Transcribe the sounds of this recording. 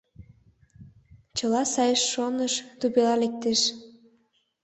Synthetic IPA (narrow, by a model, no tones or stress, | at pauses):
t͡ɕəlɑsɑjəʃːonəʃt̪uβelɑlek̚t̪eʃ